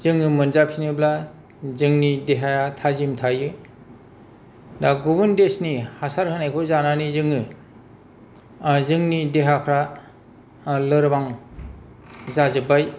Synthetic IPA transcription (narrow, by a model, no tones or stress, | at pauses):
zɯŋɯmɯnzapʰinɯbla | zɯŋnideɦajatʰazimtʰajɯ | daɡobɯndesnihasaɾhʰanajkʰozananizɯŋɯ | zɯŋnideɦapʰɾa | lɯɾbaŋ | zazɯbaj